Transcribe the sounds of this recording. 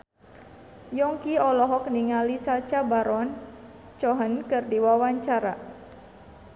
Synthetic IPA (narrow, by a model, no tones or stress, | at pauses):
jɔŋkiɔlɔɦɔk̚niŋalisat͡ʃabaɾɔn | t͡ʃɔɦənkɨrdiwawaɲt͡ʃaɾa